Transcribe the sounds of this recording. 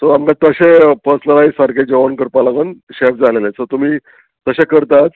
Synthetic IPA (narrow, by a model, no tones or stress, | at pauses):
t̪oamkat̪əɕepəsləɾaisəɾɡed͡ʑeʋənkəɾpalaɡənɕepd͡zalelet͡sət̪um̤iː | t̪əɕekəɾt̪at͡s̪